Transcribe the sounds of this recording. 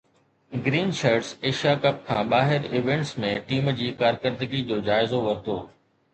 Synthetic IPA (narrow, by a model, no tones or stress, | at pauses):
ɡɾiːnʃaːɾɖseːʃijakɐp̚kʰãːɓaːɦɪɾɪʋẽɳʈsmẽʈiːmd͡ʑiːkaːɾkəɾd̪əɡid͡ʑoːd͡ʑaːɪzoʋɐɾt̪oː